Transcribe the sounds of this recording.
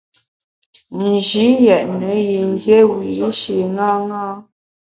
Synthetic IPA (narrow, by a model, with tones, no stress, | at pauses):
n̩˨d͡ʒi˨˦jɛ˨ʔnə˨˦ji˨n˦dje˦wi˨˦ʃi˨ŋa˦ŋa˦